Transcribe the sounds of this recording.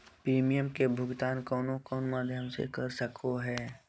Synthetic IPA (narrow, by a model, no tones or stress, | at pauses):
pɾiːmijəmkebʱʊɡt̪aːnkɔːnokɔːnmaːd̪ʱjəmsḛkɐɾsəkʰoɦɛː